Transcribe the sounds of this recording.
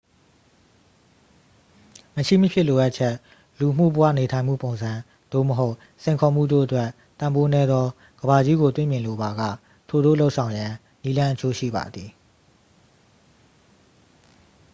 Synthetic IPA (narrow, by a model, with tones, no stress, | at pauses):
məʃḭ˦˨məpʰjɪ˦˨lo˨ʔa˦ʔt͡ɕʰɛ˦ʔ | lu˨ʔəm̥ṵ˦˨bə˦wä̰˦˨ne˨tʰã˨ɪ̃m̥ṵ˦˨põ˨ʊ̃nzã˨ | d̪̥o̰˦˨məɦo˦ʊʔ | sʰẽ˨ɪ̃kʰɔ˨m̥ṵ˦˨do̰˦˨ʔətwɛ˦˨ | t̪ã˨mbo˦nɛ˦d̪ðɔ˦ | ɡəba˨d͡ʑi˦ɡo˨t̪wḛ˦˨mjɪ̃˨lo˨ba˨ɡä̰˦˨ | tʰo˨d̪o̰˦˨lo˦ʊʔsʰã˨ʊ̃jã˨ | ni˦lã˦ʔət͡ɕʰo˦ʃḭ˦˨ba̰˨d̪ði˨